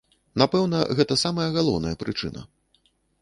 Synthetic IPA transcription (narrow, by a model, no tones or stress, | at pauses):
napɛwnɐɣɛt̪ɐsamɐjɐɣalˠɔwnɐjɐpɾɨt͡ʂɨ̰nɐ̰